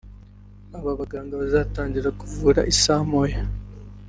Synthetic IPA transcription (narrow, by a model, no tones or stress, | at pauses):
aβaβaɡaːŋɡaβazataːɲɟiɾakuvuːɾa̰ʔisaːmoja